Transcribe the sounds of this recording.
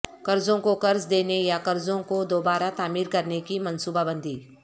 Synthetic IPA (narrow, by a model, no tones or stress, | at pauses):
kɐɾd͡ʒõkokɐɾd͡ʒd̪eːnejakɐɾzõkod̪oːbaːɾat̪aːmiːɾkɐɾnekimɐ̃nsuːbabə̃nd̪ʱiː